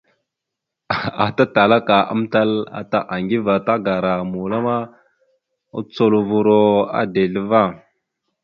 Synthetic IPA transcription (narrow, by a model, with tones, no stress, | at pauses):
a˨ta˦ta˨la˦ka˨a̰˦m˦ta˦la̰˨ta˦ʔa˨ŋɡi˦va˨ta˦ɡa˨ɾa˨mu˨la˦ma˦ | u˦t͡so˦lu˨vu˦ɾo˦a̰˦de˨lə˦va˦˨